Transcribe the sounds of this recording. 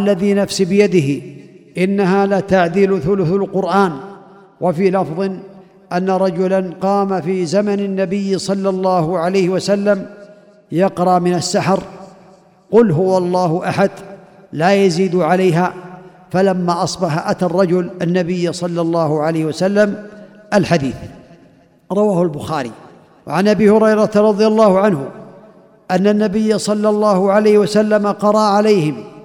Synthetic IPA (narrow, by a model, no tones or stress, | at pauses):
lːaðiːnafsibɪjad̪ɪhɪʔɪnːaɦalat̪aʕd̪ilʊθʊlʊθalqʊɾʔaːn | wʔafiːlɑfðˤɨ | ʔanːaɾˤɑd͡ʒʊlanqɑːmafiːzamanɪnːabɪjːsˤɑlːɑlˤːɑːhʊʕalajhɪwasalːam | jɑqɾˤɑmɪnasːaħɑɾ | qʊlɦʊwɑlˤːɑːhʊʔaħad̪ | laːjaziːd̪ʕalajɦaː | falamːaʔɑsˤbɑħaʔat̪arˤːɑd͡ʒʊlʔanːabɪjːsˤɑlːɑlˤːɑːhʊʕalajhɪwasalːam | ʔalħad̪iːθ | ɾˤɑwaːhʊlbʊxaːɾḭ | wʔa̰ʕanʔabiːhʊɾɑjɾˤɑt̪ɾˤɑðˤjalˤːɑːhʊʕanhʊ̰ | ʔanːanːabɪjːasˤɑlːɑlːɑːhʊʕalajhɪwasalːamaqɑɾˤɑːʕalajhɪm